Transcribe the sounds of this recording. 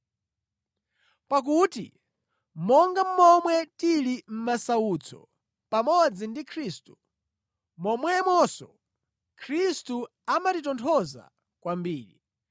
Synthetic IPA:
pak̬utḭ | mɔŋɡam̩mɔmwɛtilim̩masaut͡sʰɔ̰ | pamɔd͡zindikʰɾiːstu̥ | mɔmwɛmwɔsɔ̰ | kʰɾistu | amatit̬ɔntʰɔza̰ | kwambiːɾḭ

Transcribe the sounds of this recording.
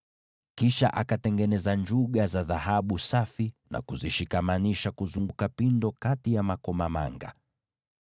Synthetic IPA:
kiʃa̰ʔakatɛŋɡɛnɛzaɲd͡ʒuɠazaðahaɓusafina̰kuziʃikamaniʃakuzuŋɡukapindɔkatijamakɔmama̰ŋɡa̰

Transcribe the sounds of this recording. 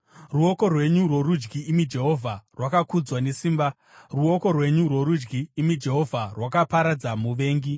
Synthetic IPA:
ruo̞ko̞rwe̞ɲurwo̞rud͡ʒɡiːmid͡ʒe̞ɦo̞vʱarwakakud͡zwane̞siːmba | ruo̞ko̞rwe̞ɲurwo̞ɾud͡ʒɡiːmid͡ʒe̞ɦo̞vʱarwakapaɾad͡zamuʋe̞ːŋɡi

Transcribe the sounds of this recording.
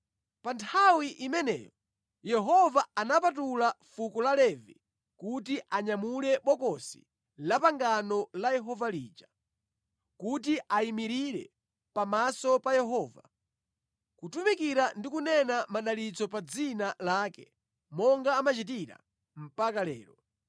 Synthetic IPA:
pantʰawiʔimɛnɛ̰jɔ | jɛɦɔvaanapatulafukulalɛvḭ | kutiʔaɲamulɛɓɔkɔsi̥̰ | lapaŋɡanɔlajɛɦɔvaliːd͡ʒa | kutiʔaimiɾiɾɛ̰ | pamasɔpajɛɦɔːva̰ | kutumikiɾandikunɛnamaɗalit͡sɔpad͡zinalaːkɛ | mɔŋɡaːmat͡ʃit̬iɾa̰ | m̩pakalɛ̰ːɾɔ

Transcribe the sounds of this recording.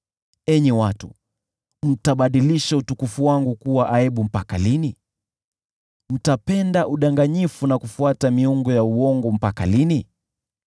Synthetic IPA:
ɛɲɛwatu | m̩taɓaɗiliʃautukufuwaŋɡukuwaʔaɛɓum̩paka̰lini | m̩tapɛndaʔuɗaŋɡaɲifunakufuatamiuŋɡɔjauɔŋɡɔm̩paka̰lini

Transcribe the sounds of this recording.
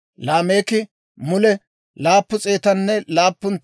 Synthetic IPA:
laːme̞ːkɪ | mʊlɛ | laːpːʊt͡sʼeːt̪ɐnːɛlaːpːʊn

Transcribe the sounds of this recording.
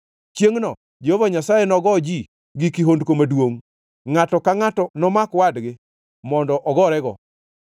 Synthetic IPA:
t͡ʃjeŋnɔ | d͡ʒehovaɲasajɛnɔɡɔd͡ʒi | ɡikiɦondkomadwoŋ | ŋatɔkaŋatɔnɔmakwadɡɪ | mɔndɔʔɔɡɔɾɛɡɔ̰

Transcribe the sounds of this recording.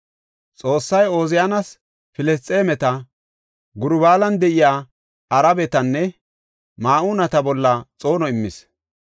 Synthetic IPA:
t͡sʼo̞ːsːɐjo̞ːzɪjanɐs | fɪlɛst̪ʼe̞ːmɛt̪ɐ | ɡʊɾʊbaːlɐnd̪ɛʔɪjaː | ɐɾɐbɛt̪ɐnːɛ | maːʔuːnɐt̪ɐbɔlːɐt͡sʼo̞ːnɔɪmːɪs

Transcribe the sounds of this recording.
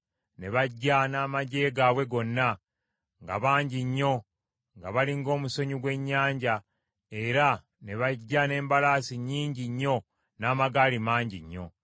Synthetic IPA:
ne̞βaɟːanaːmaɟe̞ːɡawe̞ɡo̞nːa | ŋɡa̰βaːɲɟiɲːo̞ | ŋɡaβaliŋɡo̞ːmuso̞ɲuɡwe̞ɲːaːɲɟa | e̞ɾa | ne̞βaɟːane̞ːmbalaːsiɲiːɲɟiɲːo̞ | naːmaɡaːlimaːɲɟiɲːo̞̰

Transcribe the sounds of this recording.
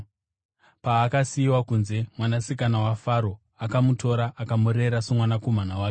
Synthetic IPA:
paːkasiːwakunze̞mwanasikanawafaɾo̞ | akamutʰo̞ɾaʔakamuɾe̞ɾaso̞mwanako̞m̤anawaːke

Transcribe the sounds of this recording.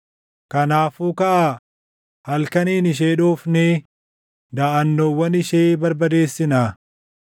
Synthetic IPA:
kɐnaːfuːkɐʔaː | hɐlkɐniːnɪʃ̬eːᶑoːfneː | d̪aːʔɐnːoːwːɐnɪʃeːbɐɾbɐd̪e̞ːsːɪnaː

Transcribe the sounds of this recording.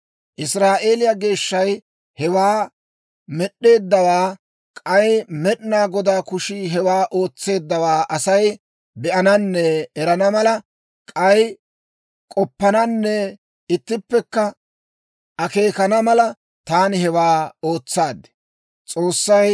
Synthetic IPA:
ʔɪsɾaːʔe̞ːlɪjɐɡe̞ːʃːɐj | hɛwaː | mɛɗːe̞ːd̪ːɐwaː | kʼɐjmɛɗnaːɡɔd̪aːkʊʃɪɦɛwaːʔo̞ːt͡sːe̞ːd̪ːɐwaːʔɐsɐj | bɛʔɐnɐnːɛɛɾɐnɐmɐlɐ | kʼɐj | kʼɔpːɐnɐnːɛ | ɪt̪ːɪpːɛkːɐ | ʔɐke̞ːkɐnɐmɐlɐ | t̪aːnɪɦɛwaːoːt͡sːaːd̪ɛ̥ | t͡sʼo̞ːsːɐj

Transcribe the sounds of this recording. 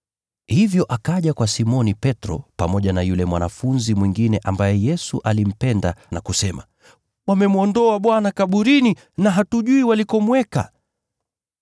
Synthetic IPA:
hivjɔʔakaʄakwasimɔnipɛtɾɔ̰pamɔʄanajulɛmwanafunzimwiŋɡinɛʔambajɛjɛsuʔalim̩pɛndanakusɛma̰ | wamɛmuɔndɔaɓwanakaɓuɾini | naɦatuʄuiwalikɔmwɛka̰

